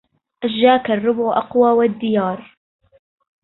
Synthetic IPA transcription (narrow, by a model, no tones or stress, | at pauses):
ʔaʃːaːkarˤːʊbʕʔɑqwaːwad̪ːɪjɑːɾˤ